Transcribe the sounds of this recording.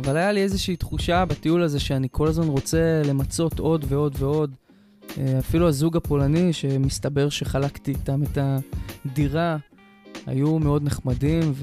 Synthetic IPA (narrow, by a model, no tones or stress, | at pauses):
avalajalie̞zeʃiːt̪χuʃabatiulaze̞ʃeanikʰo̞lazmanʁo̞t͡se̞le̞mat͡so̞to̞dve̞o̞dve̞o̞d | eafiluazuɡapo̞laniʃe̞mist̪abe̞ʁʃe̞χalaktiːtame̞tadiʁa | a̰jume̞o̞d̪ne̞χmadimv